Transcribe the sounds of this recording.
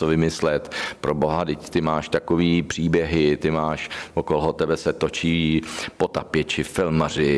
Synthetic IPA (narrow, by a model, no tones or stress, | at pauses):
ovɪmɪslɛt̪pɾoboɦadɪct̪ɪmaːʃt̪akoviːpr̝̥iːbjɛɦɪt̪ɪmaːʃvokolɦot̪ɛbɛsɛt̪ot͡ʃiːpo̞t̪apjɛt͡ʃɪfɪlmar̝ɪ